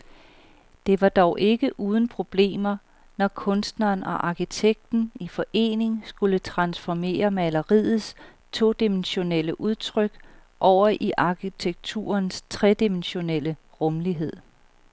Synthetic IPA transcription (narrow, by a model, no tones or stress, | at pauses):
d̥e̝ʋɑ̈d̥ɒʊʔe̝ɡ̥əʔuːð̞ˠn̩pʰʁo̝b̥le̝̰ːmɐ | nɒkʰɔ̽nsd̥nɐːnɒ̽ʔɑ̈kʰit͡sʰeɡ̥̚d̥n̩ifɒ̽ʔe̝̰ːne̝ŋsɡ̥ulət͡sʰʁɑ̈nsfɒme̝̰ːɐmælɐʁiðˠð̩ˠs | t͡sʰo̝̰ːd̥imenɕo̝neləʔuð̞ˠt͡sʰʁœɡ̥ | ʔɒʊ̰ɐʔiʔɑ̈kʰit͡sʰeɡ̥̚t͡sʰṵːɐnst͡sʰʁɛd̥imenɕo̝nel̰ə | ʁɔ̽mliɦe̝ð̞̰ˠ